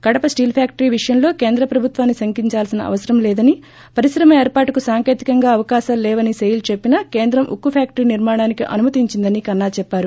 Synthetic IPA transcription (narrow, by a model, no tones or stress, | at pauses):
kɐɽɐpɐsʈiːlpʰjaːk̚ʈɐɾiːʋiʂɐjɐnlo̞ːkeːnd̪ɾɐpɾɐbʱut̪ʋaːnːisɐŋkiɲt͡ʃaːlsinɐ̰ʔɐ̰ʋɐsɐɾɐmlɛːd̪ɐni | pɐɾisɾɐmɐeːɾpaːʈukusaːŋke̞ːt̪ikɐŋɡaːɐʋɐkaːʃaːmlɛːʋɐnisejɐlt͡ʃepːinɐkeːnd̪ɾɐmʔṵkːupʰjaːk̚ʈɐɾiːniɾmaːɳaːnikiʔɐ̰numɐt̪iɲt͡ʃind̪ɐnikɐnːaːt͡ʃɛpːaːɾu